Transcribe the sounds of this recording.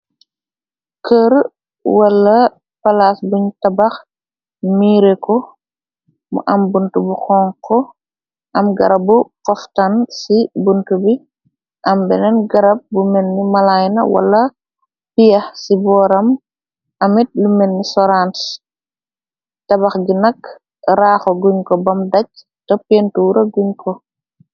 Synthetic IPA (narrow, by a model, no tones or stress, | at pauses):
kəɾ | wɐlːɐ | pɐlasbuɲtɐbɐx | miːɾekɔ | mṵʔɐmbuntubuxɔːŋkʰɔ | ʔɐmɡɐ̰ɾɐbukɔftansibuntubi | ʔɐmbɛnɛnɡɐɾɐp̚bumɛnːimalajnɐ̰wa̰lːɐ | pijɐxsibɔːɾɐm | ʔɐmit̚lumɛnːisɔɾant | tɐbaxɟinɐk | ɾaːxɔɡuɲkɔbɐmdac̚ | tɔpːɛntuɾɐɡuɲkʰɔ